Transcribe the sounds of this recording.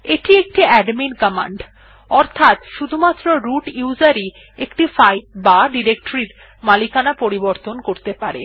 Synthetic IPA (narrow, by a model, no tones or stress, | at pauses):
eʈiek̚ʈiɛɖminkəma̰ɳɖ | ɔɾt̪ʰat̪ʃud̪ʱumat̪ːɾoɾuʈud͡ʑaɾi | ekʈifajbaɖiɾek̚ʈoɾiɾ | malikanapoɾiboɾt̪onkoɾt̪epaɾḛ